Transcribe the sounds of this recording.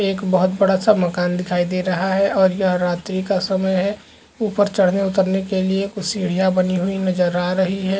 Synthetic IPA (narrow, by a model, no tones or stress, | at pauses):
eːkbəɦʊt̪bɐɽasaməkaːnd̪ɪkʰaːid̪eɾɐɦaɦɛɔːɾjɐɦɾaːt̪ɾikasɐməjɦɛ | uːpəɾt͡ʃəɽ̤neʊt̪əɾnekeliekʊsiɽ̤ijabɐniɦuinɐd͡ʒəɾaːɾɐɦiɦɛː